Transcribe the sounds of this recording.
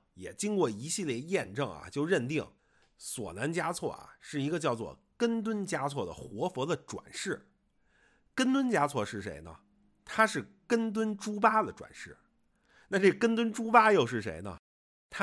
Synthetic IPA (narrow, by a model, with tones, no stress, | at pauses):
jɛ̰˨˩t͡ɕi˥nkwɔ˥˩i˧˥ɕi˥˧ljɛ˥˧jɛ˥˧nʈ͡ʂɤ˥˩ŋɐ̰˩t͡ɕjo˥˧ʊɻə˥˧nt̪̬i˥˩ŋ | swɔ̰˨˩na˧˥nt͡ɕja˥t͡sʰwɔ̰˥˩a̰˨˩ʂɻ̩˥˩i˧˥ɡə˧t͡ɕjɑ˥˧ʊt͡swɔ̰˥˩kə˥nt̪wə˥nt͡ɕja˥t͡sʰwɔ˥˩d̪ə̰˩xwɔ˧˥fwɔ˧˥d̪ə˧ʈ͡ʂwa̰˨˩nʂɻ̩˥˩ | kə˥nt̪wə˥nt͡ɕja˥t͡sʰwɔ˥˧ʂɻ̩˥˩ʂe˧˥ɪnə̰˧ | t̪ʰa˥ʂɻ̩˥˩ | kə˥nt̪̬wə˥nʈ͡ʂu˥pa˥d̪ə˨ʈ͡ʂwa̰˨˩nʂɻ̩˥˩ | na˥˧ʈ͡ʂe˥˩ə˩kə˥nt̪wə˥nʈ͡ʂu˥pa˥jo˥˧ʊʂɻ̩˥˩ʂḛ˧˥ɪnə̰˧ | t̪ʰa˥